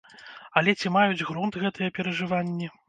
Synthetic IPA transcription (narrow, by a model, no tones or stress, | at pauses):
ɐlʲɛt͡sʲimajud͡zʲɣɾɔnt̪ɣɛt̪ɐjɐpʲɛɾɐʐɨvanʲːɛ